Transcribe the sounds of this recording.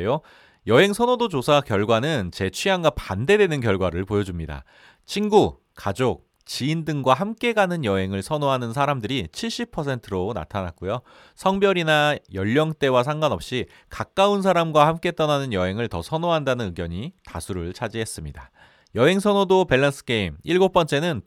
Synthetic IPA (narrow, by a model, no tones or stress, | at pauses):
jo | jʌɦe̞ŋsʰʌnodod͡ʑosʰakjʌɭɡwanɯnt͡ɕe̞t͡ɕʰɥiaŋɡapande̞dwe̞nɯnkjʌɭɡwaɾɯɭpojʌd͡ʑumɲida̰ | t͡ɕʰinɡu | kad͡ʑok̚ | t͡ɕiindɯŋɡwaɦamk͈e̞ɡanɯnjʌɦe̞ŋɯɭsʰʌnoɦanɯns̬ʰaɾamdɯɾit͡ɕʰiɭɕ͈ipʰʌs̬ʰe̞ntʰɯɾona̰tʰanak̚k͈ujo | sʰʌŋbjʌɾinajʌʎːʌŋt͈e̞was̬ʰaŋɡwanʌp̚ɕ͈i | kak͈auns̬ʰaɾamɡwahamk͈e̞t͈ʌnanɯnjʌɦe̞ŋɯɭtʌsʰʌnoɦandanɯnɯɡjʌɲita̰sʰuɾɯɭt͡ɕʰad͡ʑiɦe̞s͈ɯmɲida | jʌɦe̞ŋsʰʌnodope̞ɭːas͈ʰɯ̥ke̞imiɭɡop͈ʌnt͡ɕ͈e̞nɯn